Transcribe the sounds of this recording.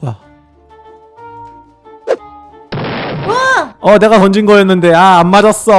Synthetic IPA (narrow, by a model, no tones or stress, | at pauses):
a | aʌne̞ɡatʌnd͡ʑinɡʌjenːɯnde̞aamːad͡ʑʌs͈ʌ